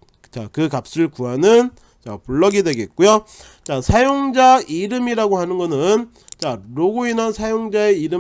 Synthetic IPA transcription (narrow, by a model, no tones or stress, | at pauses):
t͡ɕakɯkap̚s͈ɯɭkuanɯn | t͡ɕa̰puɭːʌɡidwe̞ɡe̞t̚k͈ujo | t͡ɕasʰajoŋd͡ʑaiɾɯmiɾaɡohanɯnɡʌnɯn | t͡ɕaɾoɡoinansʰajoŋd͡ʑae̞iɾɯ